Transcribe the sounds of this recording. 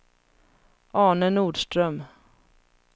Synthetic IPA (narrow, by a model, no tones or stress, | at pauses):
ʔɑːnənuːɖʂtɾœm